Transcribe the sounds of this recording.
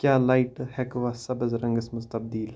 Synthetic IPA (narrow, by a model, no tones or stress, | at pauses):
kjaːlaːiʈhɛkʋaːsɐbɐzɾɐŋɡɐsmɐzt̪ɐbd̪iːl